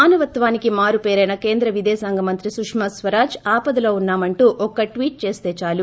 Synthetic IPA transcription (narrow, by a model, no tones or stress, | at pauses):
aːnuʋɐt̪ʋaːnikimaːɾupeːɾɐjnɐke̞ːnd̪ɾɐʋid̪ɛːsaːŋɡʱɐmɐnt̪ɾisukʂmɐsʋɐɾaːd͡ʒaːpɐd̪ɐlo̞ːunːaːmɐɳʈuːʔɔkːɐʈʋiːʈ̚t͡ʃe̞ːst̪eːt͡ʃaːlu